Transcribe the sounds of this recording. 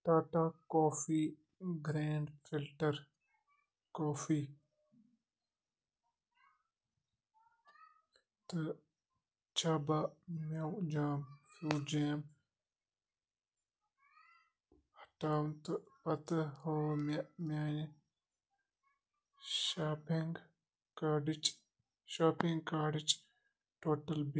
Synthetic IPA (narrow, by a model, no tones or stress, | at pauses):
ʈaːʈakoːfiː | ɡɾeːɳɖfilʈɐɾ | koːfiː | t̪ɨ | t͡ʃʰabamɐwd͡ʒaːmfuːd͡ʒeːm | hɐ̥ʈaːwnt̪ɨpɐt̪ɨhomamʲaːni | ʃaːpiŋɡ | kaɖit͡ʃ | ʃaːpiŋɡkaːɖit͡ʃ | ʈoːʈɐlb